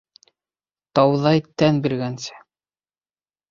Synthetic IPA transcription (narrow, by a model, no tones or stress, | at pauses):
t̪ɑwðɑjt̪ænbiɾɡænsɘ̥